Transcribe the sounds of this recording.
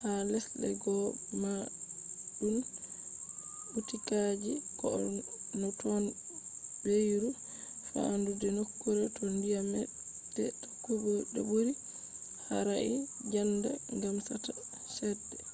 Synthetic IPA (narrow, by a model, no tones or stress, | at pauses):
halɛsɗɛ̰ɡɔma | ɗun | utikad͡ʒikɔ̰ɔnɔtɔn | bejɾu | fa̰andudɛnokːuɾatɔndijamɛ | dɛtḁkːubɔɗɔ̰buɾi | haɾai | d͡ʒanda̰ŋɡamsata | ʃɛdːɛ